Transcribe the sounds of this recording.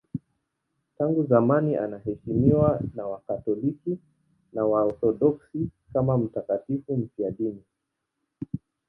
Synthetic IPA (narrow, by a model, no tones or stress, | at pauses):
taŋɡuzamaniʔanaɦɛʃimiwanawakatɔliki | nawaɔθɔɗɔksikamam̩takatifum̩fiaɗini